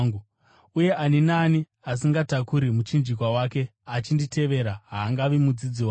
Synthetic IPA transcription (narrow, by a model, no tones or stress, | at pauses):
ŋɡu | uje̞ʔaninaːni | asiŋɡatakuɾimut͡ʃind͡ʒik̬wawaːke̞at͡ʃindite̞ʋe̞ɾaɦaːŋɡaʋimud͡zid͡ziwa